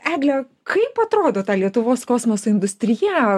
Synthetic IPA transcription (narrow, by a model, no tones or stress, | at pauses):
æːɡlʲɛ | kʰɐɪpɐt̪ɾoːd̪oːt̪ɑːlʲiɛt̪ʊʋoːskoːsmosoːɪnd̪ʊsʲt̪ʲɾʲɪjæ